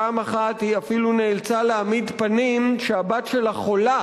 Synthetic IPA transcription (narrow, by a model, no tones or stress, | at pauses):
aːmaχat̪hiafiluneːlt͡saleamid̪panimʃeabat̪ʃe̞laχola